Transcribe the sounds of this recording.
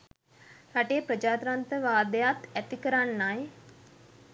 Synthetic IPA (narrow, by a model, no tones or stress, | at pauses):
haʈepɾəd͡ʒaːt̪ɾant̪əʋaːd̪əjat̪æt̪ikəɾanːaj